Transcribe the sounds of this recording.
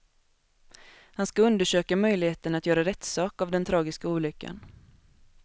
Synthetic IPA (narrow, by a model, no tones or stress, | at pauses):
hanskaɵnd̪əʂøːkamœjlɪheːt̪ənat̪jœːɾaɾɛt̪sɑːkavd̪ɛnt̪ʰɾɑːɡɪskauːlʏkːa̰n